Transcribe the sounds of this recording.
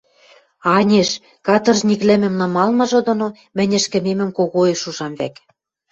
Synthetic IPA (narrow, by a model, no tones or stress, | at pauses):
ɑnʲeʃ | kɑt̪ɤ̆rʒnʲiklɘ̆mɘ̆mnɑmɑlmɤ̆ʒŏd̪ŏno | mɘ̆nʲɘ̆ʃkɘ̆memɘ̆mkoɣoeʃuʒɑmβæ̰k